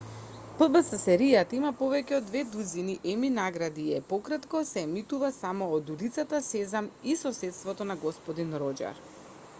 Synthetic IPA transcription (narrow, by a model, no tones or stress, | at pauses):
pl̩ˠbəsasɛɾijat̪aimapɔvɛcɛod̪vɛd̪uziniʔɛminaɡɾad̪iɛpɔkɾat̪kɔsɛmit̪uvasamɔːd̪ulit̪sat̪asɛzamisɔsɛt̪st̪vɔt̪ɔnaɡɔspɔd̪inɾɔd͡ʒa̰ɾ